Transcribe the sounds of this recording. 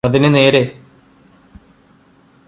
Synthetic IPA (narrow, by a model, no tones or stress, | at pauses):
ɐðinɨne̞ːɾe